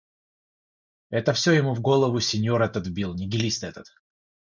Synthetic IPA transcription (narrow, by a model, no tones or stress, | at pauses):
ɛt̪əfsʲojɪmuvɡo̞lˠəvʊsʲɪnʲjoɾɛt̪ət̪vbʲilˠnʲɪɡʲɪlʲisʲt̪ɛt̪ət̪